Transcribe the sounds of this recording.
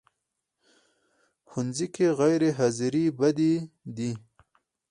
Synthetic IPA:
xunzikeɣajɾeɦaziɾibad̪id̪i

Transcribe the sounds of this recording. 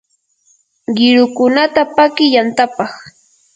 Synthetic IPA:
ɢɪɾʊkʊnat̪apakɪjant̪apɑχ

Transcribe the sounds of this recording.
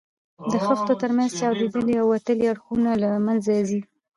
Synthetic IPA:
d̪əxəxt̪ot̪əɾmanzt͡ʃɑwd̪ed̪əliawːat̪əliaɽxunalamanzazi

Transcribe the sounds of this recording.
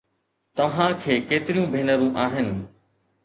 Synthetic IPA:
t̪ɐʋ̤ãkʰeːkeːt̪ɪɾijũbʱeːnəɾũʔaːɦɪnɪ̆

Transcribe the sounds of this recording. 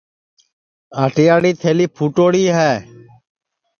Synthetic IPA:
aːʈɪjaːɽiːt̪ʰeːliːpʰuːʈoːɽiːɦɛː

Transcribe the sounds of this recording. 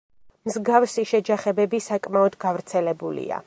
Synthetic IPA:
mzɡafsiʃɛd͡ʒaχɛbɛbisakʼmaɔd̪ɡavɾt̪sʰɛlɛbulḭa̰

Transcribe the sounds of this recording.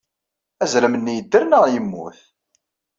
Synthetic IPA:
æzɾæmənːijəd̪ːəɾnəʁjəmːṵθ

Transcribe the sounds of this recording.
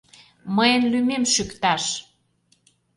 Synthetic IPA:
məjənlymemʃykt̪ɑʃ

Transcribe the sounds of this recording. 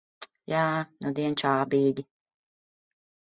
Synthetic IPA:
jaːnud̪iɛnt͡ʃaːbiːɡʲi

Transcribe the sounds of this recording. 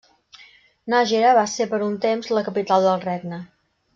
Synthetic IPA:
naʒeɾəβasepəɾunt̪emzləkəpit̪alˠd̪əlˠreɡnə

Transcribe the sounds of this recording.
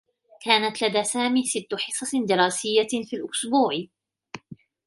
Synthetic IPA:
kaːnat̪lad̪aːsaːmiːsɪt̪ːʊħɨsˤɑd̪ɪɾˤɑːsɪjːafiːlʔʊsbuːʕ

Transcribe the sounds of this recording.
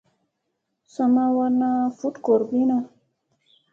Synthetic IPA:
samawanafuʈkoɾbina

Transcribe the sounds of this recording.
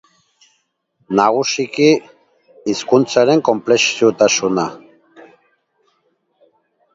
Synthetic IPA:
naɣusikiː | skunt͡saɾe̞ŋko̞mple̞siut̪asuna

